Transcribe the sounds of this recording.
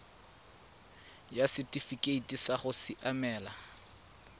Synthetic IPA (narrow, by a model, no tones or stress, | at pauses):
jasɪtʼifikʼeitʼisaχʊsɪʔamɛːla